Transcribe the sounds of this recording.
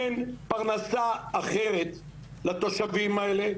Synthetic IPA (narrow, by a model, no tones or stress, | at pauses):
enpaʁnasaːχe̞ʁet̪ | lat̪o̞ʃavimaele̞